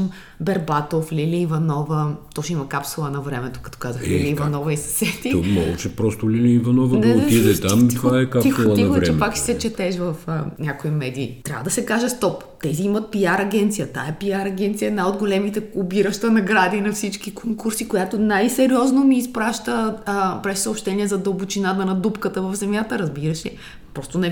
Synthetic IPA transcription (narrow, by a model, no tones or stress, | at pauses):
bɛɾbat̪oflʲiliːvɐnɔvət̪oʃimɐkapsulˠənɐvɾɛmɛt̪o̥kɐt̪ɔ̥kazəxliliːvɐnɔvɐisɐ̥sɛt̪imɔ̰ɡɛt͡ʃɛpɾɔst̪oliliːvɐnɔvɐnɛot̪id̪ɛt̪amt̪vaɛkap̪isulˠəiɐvɾɛɛmpaksi̥sɛt͡ʃɛt̪ɛʃvɐfnʲakoimɛd̪iːt̪ɾʲa̰bvəd̪ɐsɛkaʒɛst̪ɔp | t̪ɛziimɐt̪̚piaɾɐɡʲɛnt̪sijət̪a̰ɛpiaɾɐɡ̟ʲɛnt̪sijəɛnajod̪ɡolɛmit̪ɛobiɾəʃt̪ənɐɡɾad̪inɐfsit͡ʃkikoŋkuɾsikojat̪onajsɛɾɔznomiːspɾaʃt̪əpɾɛsɐopʃt̪ɛniɛzɐd̪ɐbʊt͡ʃinat̪ənɐd̪upkət̪əvɐvzɛmjat̪əɾɐzbiɾəʃi | pɾɔst̪onɛ